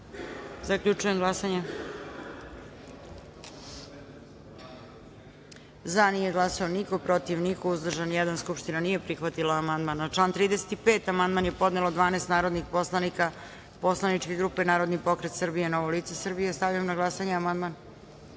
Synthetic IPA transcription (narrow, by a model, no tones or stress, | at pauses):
zakʎut͡ʂuje̞mɡlˠasaɲe | zanije̞ɡlˠasaoniko̞pɾo̞t̪iʋnikouzd̪r̩ʒanjɛd̪anskupʃt̪inanije̞pɾixʋat̪ilˠaːmand̪manat͡ʃlˠant̪ɾiːd̪ese̥t̪ipeːt̪amand̪manje̞po̞d̪ne̞lod̪ʋaːneːst̪naːɾod̪nixposanika | poslˠanit͡ʃkeɡɾuːpe̞naːɾo̞d̪nipo̞kɾet̪sərbijeno̞ʋoliːt̪sesr̩bijest̪aʋjijomnaɡlˠasaɲeamand̪man